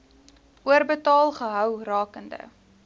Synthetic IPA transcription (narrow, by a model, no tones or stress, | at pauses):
uərbətɑːlˠχəɦœwrɑːkəndə̰